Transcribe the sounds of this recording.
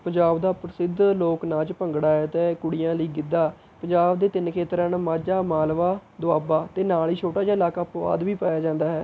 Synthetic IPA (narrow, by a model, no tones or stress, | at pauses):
pəɲd͡ʒaːbd̪aːpɾsɪd̪loːknãːt͡ʃpəŋɡɽaːɦɛːt̪eːkʊɽijãːləiːɡɪd̪aː | pəɲd͡ʒaːbd̪eːt̪ɪnkʰeːt̪ɾənmaːd͡ʒaːmaːlʋaːd̪ʊaːbaːt̪eːnaːliːt͡ʃʰoːʈaːd͡ʒaːɪlaːkaːpʋa̰ːd̪ʋiːpaːjaːd͡ʒãːnd̪aːɦɛː